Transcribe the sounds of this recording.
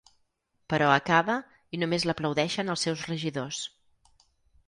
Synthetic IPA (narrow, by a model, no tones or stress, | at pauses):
pəɾɔəkaβə | inumezləpləwðɛʃənəlˠsːɛwzrəʒiðos